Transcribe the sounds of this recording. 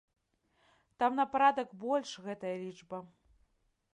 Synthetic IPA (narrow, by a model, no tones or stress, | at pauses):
t̪amnɐpaɾad̪ɐkbɔlʲʂɣɛt̪ɐjɐlʲid͡ʐbɐ